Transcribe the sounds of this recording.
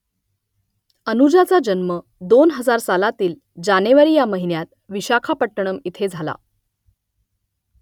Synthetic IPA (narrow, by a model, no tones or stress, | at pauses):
ənud͡ʑat͡sad͡ʑənmə | d̪onɦəd͡zaɾsalat̪iːl | d͡ʑaneʋaɾiːjaməɦinjat̪̚ | ʋiɕakʰapəʈːəɳ̃əmit̪ʰed͡zʱala̰